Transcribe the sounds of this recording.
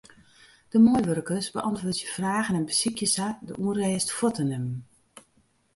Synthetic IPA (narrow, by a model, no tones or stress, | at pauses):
d̥əmɔjʋørkəsbə̰ʔɑntʋʊːtjəfraːɣənɛnbəsikjəsadə̰ʔuərɛːstfɔtənəm